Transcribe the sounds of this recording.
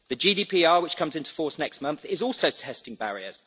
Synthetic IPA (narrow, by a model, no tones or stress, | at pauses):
ðəd͡ʒiːdiːpʰiːɑːwɪt͡ʃkʰʌ̃mzɪ̃ntu̥fɔˑsnɛkstmʌ̃nθɪzɔˑlˠsəʊtʰɛstɪ̃ŋbaɹiə̰z̥